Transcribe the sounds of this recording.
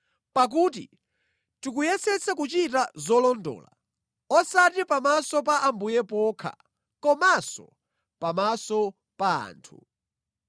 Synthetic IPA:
pak̬ut̬ḭ | tikujɛsɛt͡sʰakut͡ʃitazɔlɔndɔ̰ːla̰ | ɔsatipamasɔp̬aʔambujɛpɔːkʰa̰ | kɔmasɔ̰ | pamasɔ | paa̰ːntʰu

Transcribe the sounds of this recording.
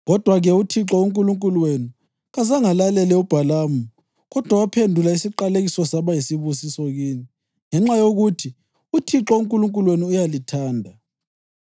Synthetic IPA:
ɣɔd̥ʱwaɣɛutʰiǁɔuŋkʼuluŋkʼulwenu | ɣazaŋalalɛlɛub̥ʱalaːmu | ɣɔd̥ʱwawapʰendʱulaisiǃaleɣisɔsaβajisiβusisɔɣiːni | ŋɛŋ͡ǁajoɣutʰi | utʰiǁɔuŋkʼuluŋkʼulweniujalitʰaːndʱa

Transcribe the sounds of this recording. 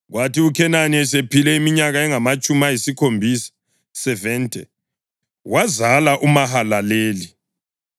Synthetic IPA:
ɣwʔatiukʰɛnanɛsepilɛimiɲaɣaɛŋamat͡ʃʼumajisikʰombʱisḁ | sɛvɛntʼɛ | wazalaʔumaɦalaleːli

